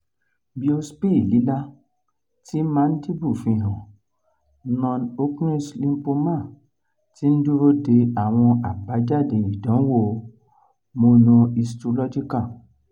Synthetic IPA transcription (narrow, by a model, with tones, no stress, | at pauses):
bi˦o˧spi˦˨li˨˦la˦ | ti˦mã˦n̩˦di˦bu˦˨fĩ˧˨ɦɔ̃˨ | nɔ̃˧no˦ku˦i˦slĩ˧m̩˦po˧mã˦˨ | ti˦n̩˦du˦ɾo˦de˧a˦˨w̃ɔ̃˧a˨ba˨˦d͡ʒa˦˨de˨i˨dɔ̃˨˦wo˦˨˧ | mo˧nɔ̃˧i˧stu˧lɔ˦d͡ʒi˦ka˦˨